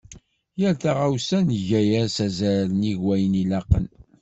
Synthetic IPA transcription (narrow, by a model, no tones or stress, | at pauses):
jəɾθaʁawsænəʝæjæsæzæɾniʝwæjənilɑqə̰n